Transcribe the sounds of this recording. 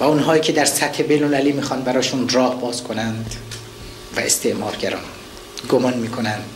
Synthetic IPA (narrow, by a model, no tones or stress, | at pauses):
væunɦɒːiːcʰed̪æɾsæt̪he̞bejlnolæliːmiːxɒːnbæɾɒːʃunrɒːhbɒːzkʰonænd̪ | væ̰ḛst̪ʰeʔmɒːɾɟæɾɒ̰ːn | ɡomɒnmiːkʰo̞nænd̪̥